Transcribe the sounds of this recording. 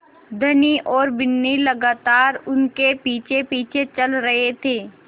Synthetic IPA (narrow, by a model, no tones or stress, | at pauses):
d̪ʱɐniʔɔːɾbɪnːilɐɡaːt̪aːɾʊnkepiːt͡ʃʰepiːt͡ʃʰet͡ʃɐlɾɐɦet̪ʰeː